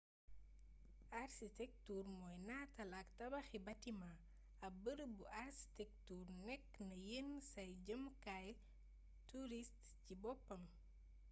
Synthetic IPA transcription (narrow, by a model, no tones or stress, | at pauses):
arsitɛk̚turmɔːjnaːtɐlaktɐbɐxibɐtima | ɐbəɾbuʔaɾsi̥tɛk̚turnɛkːnɐjensɐjɟəmkaj | tuɾist | cibɔpːɐm